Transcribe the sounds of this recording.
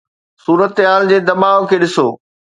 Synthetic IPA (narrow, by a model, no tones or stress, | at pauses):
suːɾət̪ɦaːld͡ʑeːd̪ɐmaːʋokʰeːɗɪsoː